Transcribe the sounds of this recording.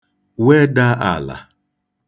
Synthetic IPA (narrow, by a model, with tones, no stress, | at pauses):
we˦da˦a̰˨la̰˨